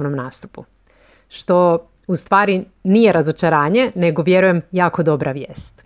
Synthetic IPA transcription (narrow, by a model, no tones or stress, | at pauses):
nomnaːst̪upṵ | ʃt̪o̞ | ust̪ʋaːɾi | nije̞ɾazo̞t͡ʃaɾaːɲe̞ne̞ɡo̞ʋje̞ɾuje̞mjaːko̞d̪o̞bɾaʋjḛːst̪